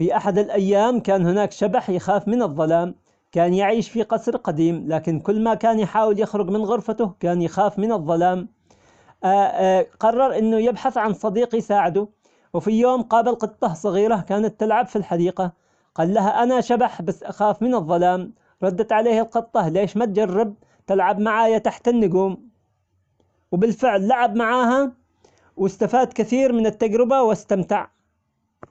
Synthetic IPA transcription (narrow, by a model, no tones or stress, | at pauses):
fiʔaħad̪ɪlʔajːaːmkaːnhɪnaːkʃabaħjɪxaːfmɪnɨðˤːɑlaːm | kaːnjɪʕiːʃfiqɑsɾqad̪iːmlaːkɪnkʊlːmakaːnjħaːwɪljɪxɾʊɡmɪnɣʊɾfat̪ʊkaːnjɪxaːfmɪnɨðˤːɑlaːm | ʔ | qɑrˤːɑɾˤʔɪnːʊjɪbħaθʕansˤɑd̪iːqjsaːʕɪd̪ʊ | wɪfijoːmqɑːbalqɨt̪ˤːɑhsˤɑɣiːɾakaːnat̪ːɪlʕabfilħad̪iːqa | qɑːlːaɦaʔanaʃabaħbasːʔaxaːfmɪnɨðˤːɑlaːm | ɾˤɑd̪ːat̪ʕaleːhɪlqɨt̪ˤːɑleːʃmat̪̚d͡ʒarːɪb̚ | t̪ɪlʕabmaʕaːjat̪aħt̪anːʊɡuːm | wbɪlfɪʕlːaʕabmaʕaːɦa | wɪst̪afaːd̪kɪθiːɾmɪnɪt̪ːaɡɾɪbawast̪amt̪ɪʕ